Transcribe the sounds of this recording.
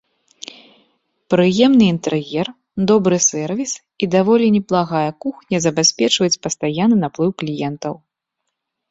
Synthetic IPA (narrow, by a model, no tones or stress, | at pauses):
pɾɨjɛmnɨint̪ɛɾjɛr | d̪ɔbɾɨsɛrvʲis | id̪avɔlʲinʲɛplˠaɣajɐkuxnʲɐzɐbʲasʲpʲɛt͡ʂvɐjut͡sʲpɐst̪ajanːɨnaplˠɨwklʲijɛnt̪ɐw